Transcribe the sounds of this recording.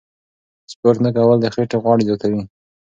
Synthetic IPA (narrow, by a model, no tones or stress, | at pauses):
spoɾt̪nakawəld̪əxeʈeɣwɑɽizot̪ʰawi